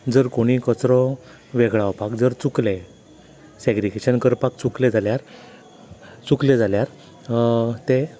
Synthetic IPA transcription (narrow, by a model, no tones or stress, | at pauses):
d͡zəɾkoɽ̃ikət͡sɾɔ | ʋeɡɭawpakd͡zəɾt͡sukle | seɡɾiɡeɕənkəɾpak̚t͡sukled͡zʱaljaɾ | t͡sukled͡zʱaljaɾ | t̪e